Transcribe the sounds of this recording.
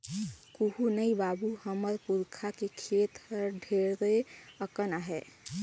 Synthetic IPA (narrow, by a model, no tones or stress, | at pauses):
kuɦunəibabuhəməɾpuɾkʰakekʰet̪əɾɖʱeɾd̪eəkənaɦɛ